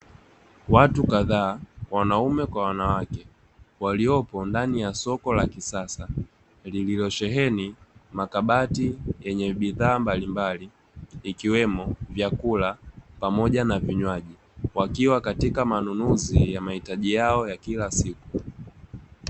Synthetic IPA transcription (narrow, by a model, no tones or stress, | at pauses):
watukaðaːwanaumɛkwawanawakɛ | waliɔpɔndanijasɔkɔlakisasa | lililɔʃɛɦɛnimakaɓatijɛɲɛɓiðaːmbalimbaliː | kiwɛmɔvjakulapamɔʄanaviɲwaʄi | wakiwakatikamanunuzijamahitaʄijaɔjakilasiku̥